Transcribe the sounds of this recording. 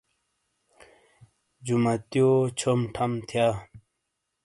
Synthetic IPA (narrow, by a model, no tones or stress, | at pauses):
d͡ʑumɐt̪jot͡ɕʰomʈʰɐmt̪ʰjaː